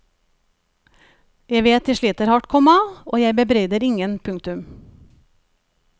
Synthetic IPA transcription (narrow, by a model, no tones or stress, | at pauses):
jæɪʋeːt̪̚ɪʃɭiːt̪əɾhɑʈkʰɔmɑoːjæɪbəbɾeʏd̪əɾɪŋənpʰʉŋkt̪ʉm